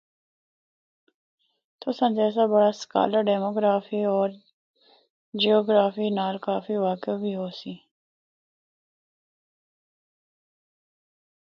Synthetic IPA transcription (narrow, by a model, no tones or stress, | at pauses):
t̪oːsãnd͡ʒɛːs̬abəɽaska̰ːləɾɖɛːmoːɡɾaːfiːɔːɾ | d͡ʒioːɡɾaːfiːnaːlkaːfiʋaːkɪbʱiːɦoːsiː